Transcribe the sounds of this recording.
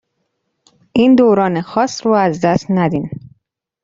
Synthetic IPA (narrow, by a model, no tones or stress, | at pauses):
ʔiːnd̪oːɾɒːnexɒːsɾuːæzd̪æst̪næd̪in